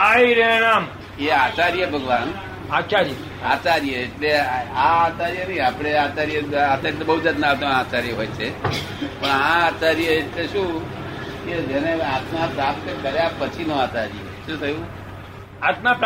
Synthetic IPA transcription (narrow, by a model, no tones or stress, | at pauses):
ɦaiɾenam | eat͡ʃaɾjəbʱəɡʋan | at͡ʃaɾjə | at͡ʃaɾjəːʈleaːt͡ʃaɾjənəiapɽ̃eat͡ʃaɾjəat̪ajt̪obəɦud͡ʒat̪nat̪oat͡ʃaɾjəɦojt͡ʃʰe | pəɳãat͡ʃaɾjəeʈleʃũ | ked͡ʒəneat̪mapɾapt̪əkəɾjapət͡ʃʰinoat͡ʃaɾjəʃũt̪ʰəjũ | at̪map